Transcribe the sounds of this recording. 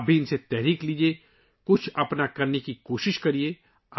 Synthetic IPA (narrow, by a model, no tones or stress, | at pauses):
bʱiɪnset̪ɛɦɾiːkliːd͡ʒie | kʊt͡ʃʰɐpnakɐɾnekikoːʃɪʃkɐɾie